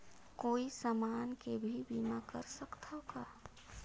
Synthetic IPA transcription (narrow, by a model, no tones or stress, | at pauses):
koːisamaːnkebʱibinakə̰ɾsəkt̪ʰaoka